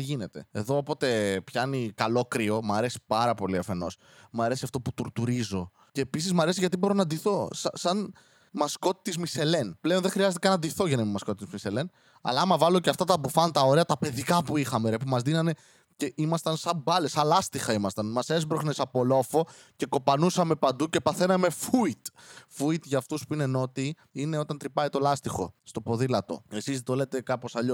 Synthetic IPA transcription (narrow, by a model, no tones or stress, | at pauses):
t̪iʝine̞t̪e̞eðo̞ːpo̞t̪e̞pçɐnikɐlo̞kɾio̞mɐɾe̞si̥pɐɾɐpo̞liɐfe̞no̞̰s | mɐɾe̞siɐft̪o̞put̪uɾt̪uɾizo̞ | ce̞ːpisizmɐɾesiʝɐt̪ibo̞ɾo̞nɐd̪iθo̞sɐsɐn | mɐsko̞t̪it̪izmise̞le̞nple̞o̞nðexɾiɐzet̪ikɐnɐd̪iθo̞ʝɐnɐimmɐsko̞t̪it̪izmise̞le̞n | ɐ̰lɐɐmɐvɐloceɐft̪ɐt̪ɐpufɐnt̪ɐoɾeɐt̪ɐpe̞ðikɐpuixɐmeɾepumɐzðinɐne̞ | ce̞ʔimɐst̪ɐnsɐmbɐlesɐlɐst̪ixɐimɐst̪ɐnmɐse̞zbɾoxnesɐpo̞lo̞fo̞ | ce̞ko̞pɐnusɐme̞pɐnd̪uce̞pɐθe̞nɐme̞fuit̪fuit̪ʝɐːft̪uspuine̞no̞t̪i | ine̞o̞t̪ɐnt̪ɾipɐit̪o̞lɐst̪ixo̞̰st̪o̞po̞ðilɐt̪o̞̰e̞sizðet̪ole̞t̪e̞kɐpo̞sɐʎo